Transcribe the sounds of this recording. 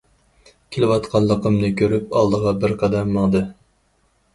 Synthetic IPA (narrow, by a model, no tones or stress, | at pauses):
kʲʰelɪwɑt̪qʰɑlˠːəqʰəmnɨkʲʰøɾyp̚ɑlˠd̪əʁɑbɪɾqʰɑd̪ɛmːɑŋd̪ɨ